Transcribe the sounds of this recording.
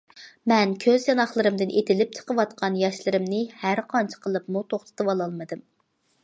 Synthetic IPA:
mɛnkʲʰøzjɑnɑχlˠɨɾɨmd̪ɨnʔet̪ɪlɪp̚t͡ʃʰə̥qəwɑt̪qʰɑnjɑʃlˠɨɾɨmnɨhæɾqʰɑnt͡ʃʰɪ̥qʰəlˠɨpmut̪ʰoχt̪ʰɨ̥t̪ʰɨwɑlˠɑlˠmɨd̪ɨm

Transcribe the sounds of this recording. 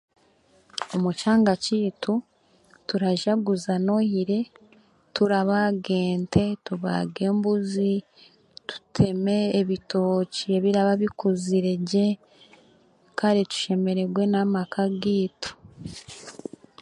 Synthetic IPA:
omut͡ʃaːŋɡaciːtʰu | tuɾaʒaɡuzano̞hiɾe̞ | tuɾaβaɡe̞ːntʰe̞tuβa̰ɡe̞ːmbuzi | tu̥tʰe̞me̞ːβito̞ːcie̞βiɾaβaβikuziɾeɟe | kʰaɾitu̥ʃe̞me̞ɾe̞ɡwe̞namakʰaɡiːto̥

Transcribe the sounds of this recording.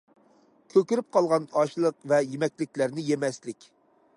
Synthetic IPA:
kʲʰøkʲyɾyp̚qʰɑlˠʁɑnɑʃlˠəqvɛjemɛkʲlɪkʲlæɾnɪjemɛslɪkʲ

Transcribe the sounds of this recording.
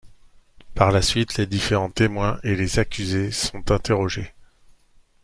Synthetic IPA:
paʁlasɥit̪led̪ifeʁɑ̃t̪emwɛ̃ʔelezakʲyzesɔ̃t̪ɛ̃t̪eʁɔʒe

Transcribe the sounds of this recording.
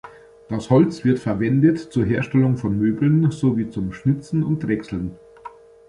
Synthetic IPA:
d̥ashɔlt͡sv̥ɪɐtfɛɐvɛndətt͡suːɐɦeːɐʃtɛlʊŋfɔnmøːbl̩nzoːviːt͡sʊmʃnɪt͡sn̩ʊntʁɛksl̩n

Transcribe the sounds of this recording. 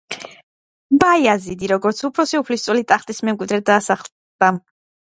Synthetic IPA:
bajazid̪iɾɔɡɔɾt̪sʰupʰɾɔsiupʰlist̪sʼwɛlit̪ʼaχt̪ʼismɛmkʼwid̪ɾɛd̪aːsaχl | d̪̥a

